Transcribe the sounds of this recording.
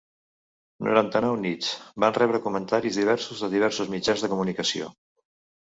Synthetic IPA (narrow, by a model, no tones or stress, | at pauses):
no̰ṵɾant̪ənawnit͡sbanrɛβɾəkumənt̪aɾizðiβ̞ɛɾsuzðəðiβɛɾsuzmid͡ʒanzðəkumunikəsio̰